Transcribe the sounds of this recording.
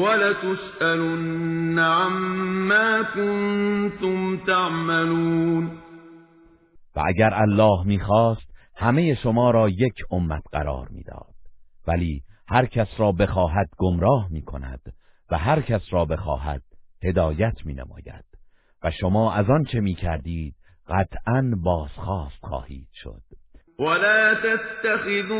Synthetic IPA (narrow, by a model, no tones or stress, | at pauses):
walat̪ʊsʔalʊnnːaʕamːaːkʊnt̪ʊmt̪aʕmaluːn | væ̰ʔæɟæɾælːɒːhmiːxɒːst̪ | hæme̞je̞ʃomɒːɾɒːje̞cʰomːæt̪ʰɢæ̰ɾɒ̰ːɾmḭːd̪̥ɒ̰ːd̪̥̚væliːhæɾcʲʰæsɾɒːbe̞xɒːɦæd̪ɡomɾɒːhmiːkʰo̞̰næ̰d̪̥ | væɦæɾcʰæsɾɒːbe̞xɒ̰ːɦæ̰d̪̥he̞d̪ɒːjæt̪ʰmiːnḛmɒ̰ːjæ̰d̪̥ | væʃomɒːʔæzɒnt͡ʃʰe̞miːcʰæɾd̪iːd̪̥̚ | ɢæt̪ʰʔænbɒːz̥xɒːst̪χɒ̰ːhḭːd̪̥ʃo̞̰d̪̥ | walaːt̪aːaxɪðː